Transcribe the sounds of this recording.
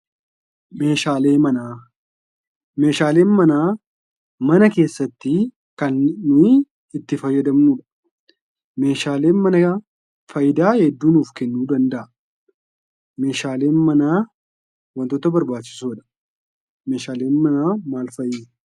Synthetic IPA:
me̞ːʃaːle̞ːmɐnaː | me̞ːʃaːle̞ːnmɐnaː | mɐnɐke̞ːsːɐt̪ːɪ | kɐnːʊ | ɪt̪ːɪfɐjːɐd̪ɐmuːᶑɐ̥ | me̞ːʃaːle̞ːnmɐnɐ | fɐjɪd̪aːhɛd̪ːuːnuːfkɛnːuːd̪ɐnd̪ɐʔɐ | me̞ːʃaːle̞ːnmɐnaː | wɐnt̪oːt̪ɐbɐɾbaːtt͡ʃːɪ̥suːᶑɐ̥ | me̞ːʃaːle̞ːnmɐnaːmaːlfɐjːɪdɐ

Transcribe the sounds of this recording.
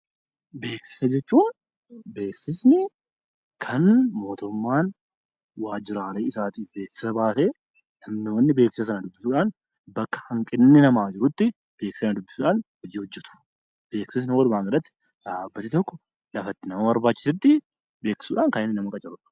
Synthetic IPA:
be̞ːksɪ̥sɐd͡ʒɛt͡ʃːuːn | be̞ːksɪsnɪ | kʰɐnmo̞ːt̪ʊmːaːn | waːd͡ʒɪɾaːleːɪsaːt̪iːfbeːksɪ̥sɐbaːseː | nɐmnɪwɐnːɪbe̞ːksɪsɐs̬ɐnɐd̪ʊbːɪsuːᶑaːn | bɐkːɐ̥hɐŋkʼɪnːɪnɐmaːd͡ʒɪɾʊt̪ːɪ | b̥e̞ːksɪ̥sɐnɐd̪ʊbːɪ̥sʊᶑaːnhɔd͡ʒiːhɔd͡ʒːɛt̪ʊ̥ | b̥e̞ːksɪs̬nɪwɐlʊmaːŋɡɐɐt̪ːɪ̥ | ᶑ̪aːbːɐt̪ːɪt̪ɔkːɔ | lɐfɐt̪ːɪnɐmɐbɐɾbaːt͡ʃːɪ̥sɪt̪ːɪ | be̞ːksɪ̥suːᶑaːŋkɐnɪnːɪnɐmɐkʼɐt͡ʃɪɾʊᶑɐ̥

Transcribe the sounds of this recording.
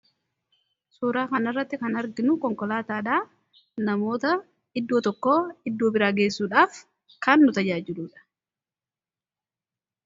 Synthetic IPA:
suːɾaːkɐnɐrːɐt̪ːɪkɐnɐɾɡɪnʊkɔŋkɔlaːt̪aːᶑaː | nɐmo̞ːt̪ɐ | ɪd̪ːoːt̪ɔkːoːɪd̪ːoːbɪɾaːɡeːsːuːᶑaːf | kɐnːʊt̪ɐd͡ʒaːd͡ʒɪluːᶑɐ̥

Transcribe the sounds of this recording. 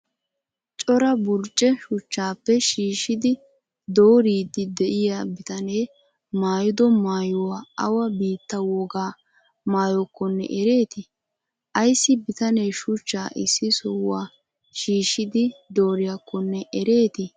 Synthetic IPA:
t͡ʃʼɔɾɐbʊɾt͡ʃʼːɛʃʊt͡ʃːaːpːɛʃiːʃɪd̪ɪ | d̪o̞ːɾiːd̪ɪd̪ɛʔɪjabɪt̪ɐne̞ː | maːjʊd̪ɔmaːjʊwaɐwɐbiːt̪ːɐwɔɡaː | maːjɔkːɔnːɛ̰ʔɛɾe̞ːt̪ɪ | ʔɐjsːɪbɪt̪ɐneːʃʊt͡ʃːaːʔɪsːɪsɔwːaː | ʃiːʃːɪd̪ɪd̪o̞ːɾɪjɐkːɔnːɛʔɛɾe̞ːt̪ɪ

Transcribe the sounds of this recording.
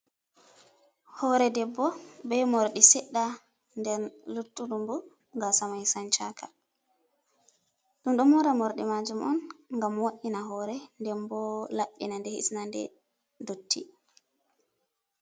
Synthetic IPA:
hɔːɾɛdɛbːɔbɛmoɾɗisɛɗːa | ndɛɾlutːuɗumbu | ŋɡasamajsant͡ʃakʰa | ɗumɗɔmɔɾamɔɾɗimad͡ʒumʔɔ̰nŋɡamwaʔːinaɦɔːɾɛndɛmbɔlaɓːḭnandɛhḭsnandɛ̰ | dotʰːi

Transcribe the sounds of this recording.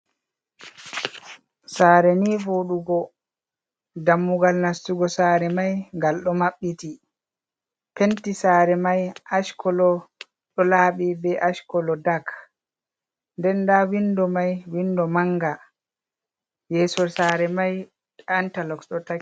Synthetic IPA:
saːɾɛnivoɗuɡɔ | damːuɡalnastuɡɔsaːɾɛmajŋɡalɗɔmaɓːiti | pentisaːɾɛmajʔaʃkʰɔlɔ | ɗɔlaːɓibɛʔaʃkɔlɔdak | ndɛndawindɔmajwindɔmaŋɡa | jɛːsɔsaːɾɛmaj | antalɔkɗɔta

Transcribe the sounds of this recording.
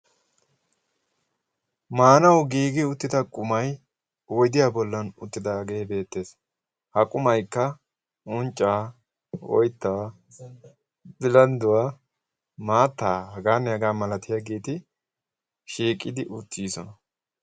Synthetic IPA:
maːnɐwɡiːɡɪʊt̪ːɪd̪ɐkʼʊmɐj | wɔjd̪ɪjaːbɔlːɐnʊ̰t̪ːɪd̪aɡe̞ːbe̞ːt̪ːe̞ːs | hɐkʼʊmɐjkːɐ | ʊnt͡ʃʼːaː | wɔ̰jt̪ːaː | bɪlɐnd̪ʊwaː | maːt̪ːaːhɐɡaːnːɛɐɡaːmɐlɐt̪ɪjaɡiːt̪ɪ | ʃiːkʼːɪd̪ɪʔʊt̪ːiːsɔnɐ

